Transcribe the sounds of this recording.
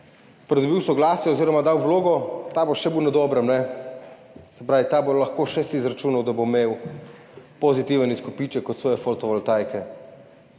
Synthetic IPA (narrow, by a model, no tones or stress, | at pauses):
pɾɛd̪ɔbiwsɔɡlaːsjɛoziːɾɔmad̪awwloːɡɔt̪aboʃɛbiwnɛd̪ɔːbɾəmnɛ | sɛpɾaːʋit̪aːbolɐxkoːʃɛsiːzɾat͡ʃuːnawd̪abomew | pozit̪iʋəniskopiːt͡ʃɛkɔt̪sʋɔːjɛfolt̪ɔʋɔlt̪ajkɛ